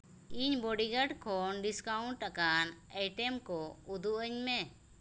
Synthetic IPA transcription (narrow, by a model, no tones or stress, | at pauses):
iɲbɔɖiɡəɖkʰɔnɖiskauɳʈt̪akanajʈɛmkɔud̪uʔəɲmɛ